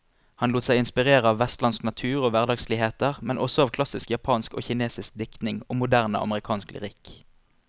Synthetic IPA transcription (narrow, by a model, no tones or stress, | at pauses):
hɑnluːt̪sæɪɪnspɪʁeːʁəɑːʋʋɛst̪lɑnsknɑt̪ʰʉːʁoːʋæʁd̪ɑːɡsliːheːt̪əʁmɛnʔɔsɔɑːʋkʰlɑsɪskjɑpʰɑːnsko̰ːçɪneːsɪsk̚d̪ɪkt̪nɪŋo̰ːmʊd̪æʁnə̰ɑ̰məʁɪkʰɑːnsklɪ̰ʁɪk